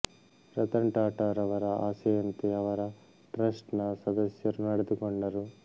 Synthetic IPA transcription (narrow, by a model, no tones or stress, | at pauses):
ɾɐt̪ɐɳʈaːʈɐːɾɐʋɐɾɐa̰ːsɐjɐnt̪iɐʋɐɾɐ | ʈɾɐsʈnɐsɐd̪ɐsjɐɾunnɐɽɐd̪ukɔɳɖɐɾu